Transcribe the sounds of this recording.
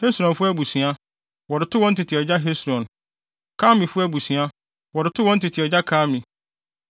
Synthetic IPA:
he˦sɾɔ̃˨nfʊ˦æ˦bu˨sĩ˨a˦ | wɔ˨ɾɪ˨tʰʊ˦wɔ̃˦n̩˦tʰɪ˨tʰɪ˨ɛ˨d͡ʑa˦ɦe˦sɾɔ̃˨n | kʰaː˦mĩ˨fʊ˦æ˦bu˨si˨a˦ | wɔ˨ɾɪ˨tʰʊ˦wɔ̃˦n̩˦tɪ˨tʰɪ˨ɛ˨d͡ʑa˦kʰaː˦mĩ˨

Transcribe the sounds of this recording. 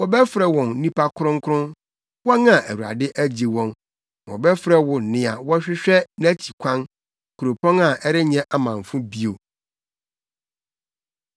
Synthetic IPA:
wɔ˨bɛ˦fɾɛ˨wɔ̃˨n˦nĩ˦pʰa˦kʰʊ˦ɾʊ̃˦ŋ˦kʰɾʊ̃˦n | wɔ˦nã˨ʔæ˨wu˨ɾa̰˨dɪ˦ʔæ˦d͡ʑi˨wɔ̃˦n˨ | wɔ̰˨bɛ˦fɾɛ˦wʊ˨n̩˨nɪ̃˦a˨wɔ˦ɕᶣɪ˦ɕᶣɛ˦næ̃˦t͡ɕʰi˨kʷʰã˦n | kʰu˨ɾo˨pʰɔ̃˦na˨ʔɛ˦ɾɪ˦ɲɛ̃˦ʔa˦mã˨ɱ˨fʊ̃˦bi˦o˨

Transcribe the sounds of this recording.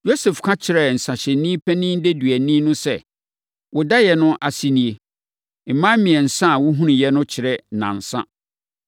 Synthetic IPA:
jo˦sɛ˨fkʰã˦t͡ɕʰɪ˨ɾɛ˨n̩˨sã˨ɕɛ˨˦nĩ˦pʰɛ̃˦nĩ˦n˦de˦dɥɛ˨nĩ˦nʊ̃˦sɛ˦˨ | wʊ˨da˦jɛ˨nʊ̃˦ʔa˨si˦nĩ˨e˨ | m̩˨mã˦mĩ˨ɛ˨n̩˨sã˦˨wʊ˦ɦũ˦nĩ˨jɛ˦nʊ̃˦t͡ɕʰɪ˨ɾɛ˦nã̰˨n̩˨sã̰˦

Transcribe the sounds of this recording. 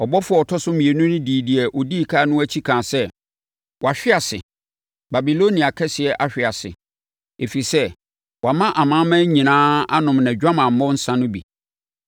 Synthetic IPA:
ɔ˨bɔ˦fʊ˦ɔ˦ɔ˨tʰɔ˦sʊ˦mĩ˨e˨nʊ̃˦nʊ̃˦di˨di˨ɛ˨ʔɔ˨diː˦˨kʰaː˦nʊ̃˦æ˦t͡ɕʰi˦kʰãː˨sɛ˦ | wɔ˨a˨ɕᶣɪ˦a˨sɪ̰˨ | ba˨bi˨lo˦nĩ˨a˨kʰɛ˦sɪ˨ɛ˨ʔa˦ɕᶣɪ˨a˨sɪ̰˨ | e˨fi˨sɛ˦ | wa˨mã˦ʔa˨mãː˦mæ̃˦ɲĩ˨nãː˦a̰˦nʊ̃˨mnã˨d͡ʑᶣa˦mã˨m̩˨mɔ̃˦n̩˦sã˦nʊ̃˦bḭ˨

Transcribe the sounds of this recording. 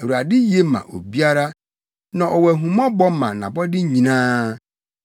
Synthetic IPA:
ɛ˨u˨a˨dɪ˦je˦mã̰˨ʔo̰˨bi˦a˦ɾa˦ | nã˨ʔɔ˨wɛ˨ɦũ˨mɔ̃˦bɔ˦mã̰˨nã̰˨bɔ˦dɪ˦ɲĩ˨nãː˦

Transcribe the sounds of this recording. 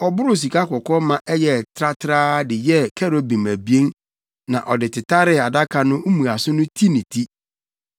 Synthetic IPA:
ɔ˨bʊ˦ɾʊ˦s̬i˨ka˦kʰɔ˨kʰɔ˦mã˦ʔɛ˦jɛ˨tʰɾa˦tʰɾaː˦dɪ˨jɛ˦kʰɛ˦ɾo˨bĩ˨m˨æ˨bi˦e˦n | nã̰˨ʔɔ˨dɪ˨tʰɪ˨ta˦ɾɪ˦˨a˨da˦kʰa˨nʊ̃˦u˦mũ˨a˨sʊ˦nʊ̃˦tʰi˦nĩ˨tʰi˦

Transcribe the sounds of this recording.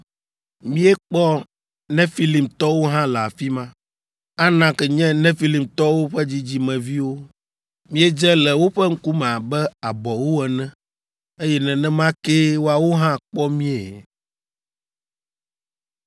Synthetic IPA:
mĩ˦ɛ˦k͡pɔ˦ | nɛ̃˦fi˦li˨mt̪ɔ˦wo˦ɦã˦la˨fi˦mã˦ | a˦nã˨kɛ˨ɲɛ̃˦nɛ̃˦fi˦li˨mt̪ɔ˦wo˦ɸɛ˦d͡ʑi˦d͡ʑi˦mɛ̃˨vi˦wo˦ | mĩ˦ɛ˦d͡ʒɛ˦lɛ˨wo˦ɸɛ˦ŋ̩˦ku˦mɛ̃˨a˨bɛ˦a˨bɔ˨wo˦ɛ˨nɛ̃˦ | e˦jɛ˦nɛ̃˨nɛ̃˦mã˦ke˦wo˦a˨wo˦ɦã˦k͡pɔ˦mĩ˦ɛ˨

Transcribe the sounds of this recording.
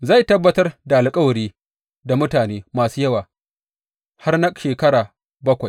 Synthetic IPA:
za˦˨jtɐ˦bːɐ˦tɐ˦rda˨ʔa˨lkʼɐ˦wɐ˨ɽiː˦ | da˨mʊ˦taː˨neː˦maː˨suː˦jɐ˦waː˨ | ha˦rnɐ˦k̚ʼʃeː˨kɐ˦ɽaː˨ | bɐ˦kʷa˨j

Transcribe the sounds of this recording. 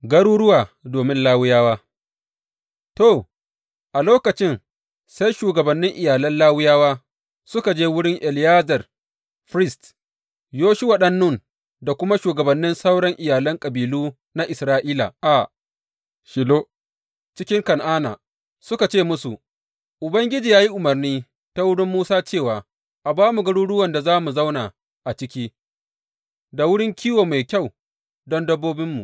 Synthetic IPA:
ɡɐ˦ɽuː˦ɽʊ˦waː˨doː˨mɪ˦nlaː˦wʊ˦jaː˦waː˦ | to˨ | ʔa˨loː˦kɐ˨t͡ʃɪ˦n | sa˦jʃuː˨ɡɐ˨bɐ˨nːɪ˦ŋʔɪ˨jaː˨lɐ˦nlaː˦wɪ˦jaː˦waː˦ | sʊ˦ka˨d͡ʒeː˦wʊ˦ɽɪ˦ŋʔɛ˨ljaː˦zɐ˨r | ɸɾɪ˦˨st | joː˦ʃi˦wa˨ɗɐ˦nːʊ˦˨n | da˨kʷʊ˦ma˦ʃuː˨ɡɐ˨bɐ˨nːɪ˦nsa˦wɽɐ˦ŋʔɪ˨jaː˨lɐ˦ŋkʼɐ˨biː˨luː˦ | na˦ʔɪ˨sɾaː˦ʔiː˦la̰˨ʔa˨ | ʃɪ˨lo˦ʔ | t͡ʃɪ˦kʲɪ˦ŋkɐ˨nʔaː˦na̰ː˨ | sʊ˦ka˨t͡ʃeː˦˨mʊ˦su˨ʔ | ʔʊ˨bɐ˦ŋɡʲɪ˦d͡ʒiː˨jaː˦ji˦ʔʊ˨mɐ˨rniː˦ | ta˦wʊ˦ɽɪ˦mːuː˦saː˦t͡ʃeː˦˨waː˨ | ʔa˨baː˦mu˨ɡɐ˦ɽuː˦ɽʊ˦wɐ˨nda˨zaː˦mu˨za˦wnaː˨ | ʔa˨t͡ʃɪ˦kʲiː˦ | da˨wʊ˦ɽɪ˦ŋkʲiː˦woː˨ma˨jkʲa˦˨w | dɔ˦ndɐ˦bːoː˦bɪ˦mːṵ˨ʔ

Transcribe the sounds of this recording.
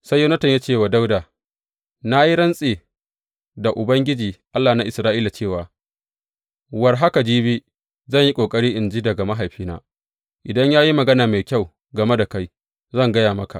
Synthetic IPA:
sa˦jːo˦nɐ˦tɐ˨ɲjaː˦t͡ʃeː˦˨waː˨da˦wdaː˨ | na˦ji˦ɽɐ˦nsʼeː˨ | da˨ʔʊ˨bɐ˦ŋɡʲɪ˦d͡ʒiː˨ʔa˦lːaː˨na˦ʔɪ˨sɾaː˦ʔiː˦la˨t͡ʃeː˦˨waː˨ | wɐ˨rɦa˦ka˨d͡ʒiː˦biː˦ | zɐ˦˨ɲji˦kʷʼoː˨kʼɐ˦ɽiː˦ʔɪ˨nd͡ʒiː˦dɐ˨ɡa˨ma˦ɦa˨jɸiː˦na̰ː˦ | ʔɪ˨dɐ˦ɲjaː˦ji˦mɐ˨ɡɐ˦naː˨ma˨jkʲa˦˨w | ɡɐ˨me˦da˨ka˦j | zɐ˦ŋɡɐ˦jaː˨mɐ˦ka̰˨ʔ

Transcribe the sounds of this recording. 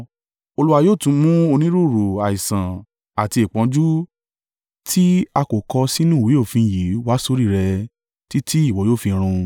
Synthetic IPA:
o˧lu˦wa˧joː˦˨tũ˧˦mũ˦o˧nĩ˦ɾu˦˨ɾu˨a˨i˨sã˨ | a˨ti˧e˨k͡pɔ̃˨˧d͡ʒu˦ | tʰi˦a˧ko˨kɔ˧si˦nũ˦˨wi˨˦o˦˨fĩ˧˨ji˨˦wa˦so˦ɾi˦˨ɾɛ˧ | ti˦tʰi˦i˦˨wɔ˨˦joː˦˨fĩ˧ɾ̃ũ˧

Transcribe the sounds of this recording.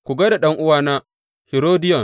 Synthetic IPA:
kʷu˨ɡɐ˦da˨ɗɐ˦ŋʔʊ˦waː˨na˦ | hi˨ɾoː˦dɪ˦jɔ˨

